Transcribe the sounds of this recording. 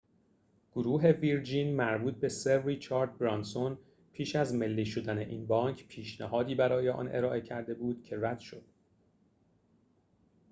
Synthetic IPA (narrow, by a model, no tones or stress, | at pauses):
ɡ̥oɾuːɦe̞viɾd͡ʒiːnmæɾbuːt̪̚ʰbe̞serit͡ʃʰɒːɾd̪̚bɾɒnson | pʰiːʃæzme̞lːiːʃod̪æne̞ʔiːnbɒːŋcʰpʰiːʃnæhɒːd̪iːbæɾɒːjeʔɒ̰ːnʔe̞̰ɾɒːʔe̞cʰæɾd̪e̞buːd̪̥cʰe̞ræd̪̥ʃo̞d̪̥